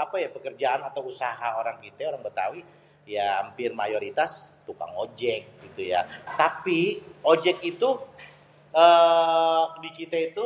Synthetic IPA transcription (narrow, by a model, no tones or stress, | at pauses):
apajapəkərd͡ʒaanat̪awusaɦaoɾaŋkit̪ɛoɾaŋbət̪a̰wi | jahampɪrmajoɾit̪ast̪uka̰ŋod͡ʒɛk̚ɡit̪uja̰t̪apiod͡ʒɛkit̪u | ə | dikit̪ait̪u